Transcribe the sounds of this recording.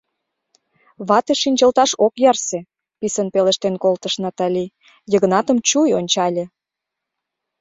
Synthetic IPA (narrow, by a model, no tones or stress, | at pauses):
βɑt̪əʃinʲd͡ʑəlt̪ɑʃokjɑrse | pisənpeləʃt̪enkolt̪əʃnɑt̪ɑlʲi | jəɣə̆nɑt̪ə̆mt͡ɕujonʲt͡ɕɑlʲĕ